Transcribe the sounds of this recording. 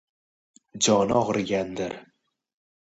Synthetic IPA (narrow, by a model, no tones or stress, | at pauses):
d͡ʒɒnɪɒʁɨɾɡʲand̪ɪɾ